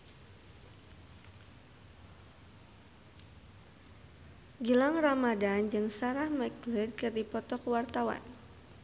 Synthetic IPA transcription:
ɡəlaŋramadand͡ʒɨŋsaɾahmɛk̚lid̚kɨrdipɔt̪ɔkwart̪awa̰n

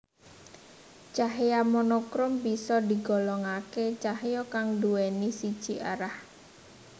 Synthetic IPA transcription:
t͡ʃaɦjamɔnokɾʊmbisɔd̪i̤ɡɔlɔŋaket͡ʃahjɔkaŋduwenisid̥ʒ̥iʔa̰ɾah

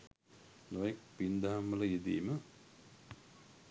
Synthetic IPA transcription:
nojek̚pind̪aɦamʋələjed̪ḭːmə

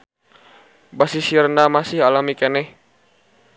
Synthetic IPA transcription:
basisirnamasɪhalamikenɛh

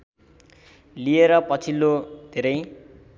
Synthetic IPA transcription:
lieɾʌpʌt͡sʰilːod̪ʱeɾʌj

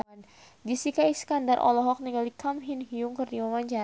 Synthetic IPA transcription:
n | d͡ʒisikaiskandaɾʔɔ̰lɔɦɔk̚niŋɡalikamɦinɦiuŋkərdiwawanɲd͡ʒa

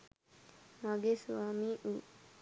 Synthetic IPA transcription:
maɡesuaːmiːʔuː

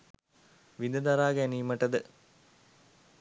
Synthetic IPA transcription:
ʋinəd̪aɾaːɡæniːməʈəd̪ə

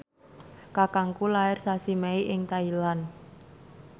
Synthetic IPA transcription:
kakaŋkulaɪrsasimeiʔɪŋt̪ailan

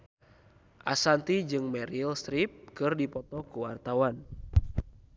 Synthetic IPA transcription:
ʔasant̪id͡ʒɨŋmɛɾilst̪ɾip̚kɨrdipɔt̪ɔkuwa̰rt̪awan

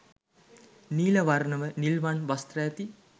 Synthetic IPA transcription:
niːləʋaɾnəʋənilʋanʋast̪rəjɛt̪i

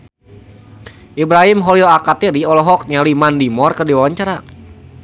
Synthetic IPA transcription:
ʔibɾaɦimɦɔlilakat̪iɾiɔlɔɦɔk̚ɲalimandimɔrkərdiwawaɲt͡ʃaɾa

